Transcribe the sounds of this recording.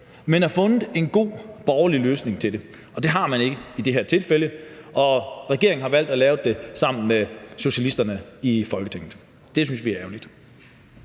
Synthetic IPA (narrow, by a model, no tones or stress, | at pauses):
menæfɔ̽nð̩ˠe̝nɡ̥o̝̰ːb̥ɒʊɐliløːsne̝ŋt͡sʰe̝d̥e̝ | ʔɒ̽d̥e̝ɦɑ̈mæne̝ɡ̥əəid̥e̝ɦæɐ̰t͡sʰe̝lfeləʔɒ̽ʁɛɡ̥e̝ɐŋn̩hɑ̈ʋæl̰d̥ælɛːʊd̥e̝sɑ̈m̰n̩meɕo̝ɕælisd̥ɐnəifɒ̽lɡ̥ət͡sʰeŋ̩ˠ | d̥e̝synsjʋiæɐɛʊlid̥